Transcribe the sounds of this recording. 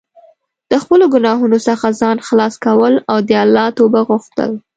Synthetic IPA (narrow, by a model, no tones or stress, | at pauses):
d̪̥əxpəloɡʊnɑɦunosəxazɑnxlɑskawəlawd̪əalːɑt̪obaɣuxt̪ə̰l